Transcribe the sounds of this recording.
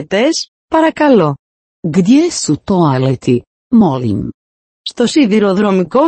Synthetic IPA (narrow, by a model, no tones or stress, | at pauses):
t̪es | paɾakalo | ɡd̪jesut̪oalet̪ʰi | mɔlḭm | st̪osiðiɾoðɾomiko